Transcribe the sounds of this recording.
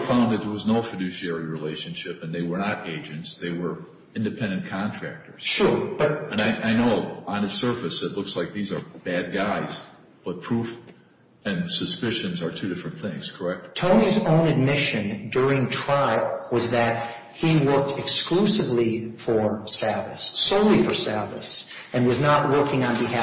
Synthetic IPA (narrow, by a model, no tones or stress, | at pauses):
fãʊ̃nðɨt̪̚ðə˞wʌznoʊfɨdʉʃiɛɹiɹileɪʃɨ̃nʃɪpɨ̃nðeɪwə˞nəɾeɪd͡ʒɨ̃ntsðeɪwə˞ | ɪ̃ndɨpʰɛ̃ndɨ̃nkʰɑ̃ntʰɹ̥æ̰k̚tə˞z̥ʃʊɹb̥ʌt̚ɨ̃naɪʔaɪnoʊə̃nɨsɜ˞fɨsɨtˡlʊkslaɪk̚ðizə˞b̥æd̚ɡaɪz | b̥ʌt̚pʰɹ̥uf | ɨ̃nsɨspɪʃɨ̃nzə˞tʰʉɾɪfɹɨ̃nθɪ̃ŋz̥kʰə˞ɛk̚t̚tʰõʊ̃nizõʊ̃nɨd̚mɪʃɨ̃ndʊɹɪ̃ŋtʰɹ̥aɪl̩ˠwʌzðɨt̚ | hiwɜ˞k̚tʰɨksklusɨvlifə˞sɛ˞vɨ̰sːoʊlˠifə˞sɛ˞vɨ̰s | ɨ̃nwʌznəʔ̚wɜ˞kɪ̃ŋə̃nbɨhæ